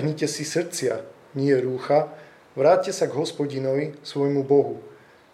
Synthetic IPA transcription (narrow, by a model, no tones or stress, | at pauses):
ɦɲicɛsisr̩t͡sɪa | ɲɪɛɾuːxa | ʋɾaːt̪̚cɛsaɡɦɔspɔɟinɔʋisʋɔjmubɔɦu